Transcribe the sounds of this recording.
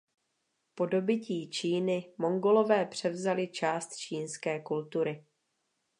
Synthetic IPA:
po̞do̞bɪciːt͡ʃiːnɪmo̞ŋɡo̞lo̞vɛːpr̝̥ɛvzalɪt͡ʃaːst̪t͡ʃiːnskɛːkult̪uɾɪ

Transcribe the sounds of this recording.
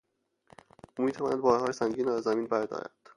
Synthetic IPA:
ʔuːmiːt̪ʰævɒːnæd̪bɒːɾhɒːjesæŋɟiːnːæzːæmiːnbæɾd̪ɒ̰ːɾæ̰d̪̥

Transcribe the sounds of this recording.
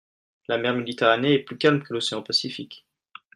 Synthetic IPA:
lamɛʁmed̪it̪eʁaneɛplykʲalmkəloseɑ̃pasifik

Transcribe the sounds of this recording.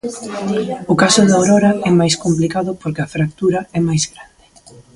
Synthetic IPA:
ʊkasʊðawɾɔɾɐɛmajskomplikaðʊpoɾkɪɐfɾak̚t̪uɾɐɛmajzɣɾand̪ɪ

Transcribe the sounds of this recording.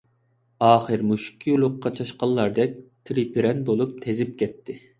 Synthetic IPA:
ɑːχəɾmuʃi̥kʲʰːijulˠʊqːɑt͡ʃʰɑʃqɑlˠːɑɾd̪ɛk̚ʲt̪ʰɾipʰɪɾɛnbolˠup̚t̪ʰezɪp̚kʲʰɛt̪ʰːɪ

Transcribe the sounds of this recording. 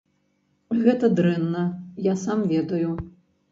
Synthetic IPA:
ɣɛt̪ɐd̪ɾɛnːɐjasamvʲɛd̪ɐju

